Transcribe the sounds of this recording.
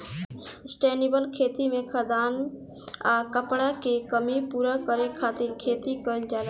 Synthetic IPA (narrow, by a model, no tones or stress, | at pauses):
sʈeːnibəlkʰeːt̪imẽkʰəd̪aːn | akəpɽakekəmipuɾakəɾekʰaːt̪iɾkʰeːt̪ikəɪld͡ʒaːla